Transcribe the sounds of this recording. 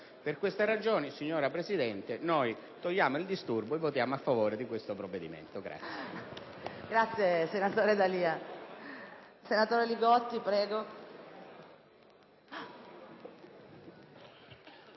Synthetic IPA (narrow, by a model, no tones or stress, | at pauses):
perkwest̪erad͡ʒoːnisiɲːoːɾapɾesid̪ɛnt̪enoj | t̪oʎːaːmoild̪ist̪urboevːot̪jaːmoafːavoːɾed̪ikwest̪opɾovːed̪imḛnt̪oɡɾa̰t̪sːj | ɡɾat̪sːjesenat̪oːɾed̪aliːa | senat̪oːɾeliɡɔt̪ːipɾɛːɡo